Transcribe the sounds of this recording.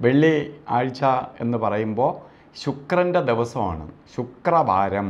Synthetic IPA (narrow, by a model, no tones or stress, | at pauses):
ʋeɭːiaːɻt͡ɕːɐe̞̰nːɨpɐrɐjumbo̞ː | ɕukrɐnde̞d̪iʋɐsɐma̰ːɳɨ̰ɕukrɐbʱaːɾɐm